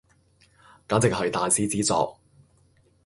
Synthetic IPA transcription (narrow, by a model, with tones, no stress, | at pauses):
kaː˨˥t͡sɪ˨k̚hɐ˨jt̪aː˨jsiː˨˥t͡siː˨˥t͡sɔ̰ː˨˧k̚